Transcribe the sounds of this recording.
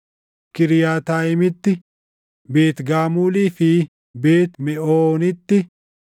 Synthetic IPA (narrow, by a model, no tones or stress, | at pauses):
kɪɾɪjaːt̪aːjɪmɪt̪ːɪ | be̞ːt̪ɡaːmuːliːfiː | beːt̪mɛoːnɪt̪ːɪ